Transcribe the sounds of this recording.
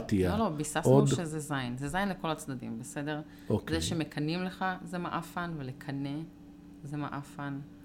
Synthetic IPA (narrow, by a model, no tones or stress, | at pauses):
t̪iaolo̞bisafudʃezezajnzezajnleko̞lat͡sd̪adḭmbese̞de̞ʁ | okd̪ejʃemekʰanimle̞χazemaʔafanvelekʰane | zema̰ʔafan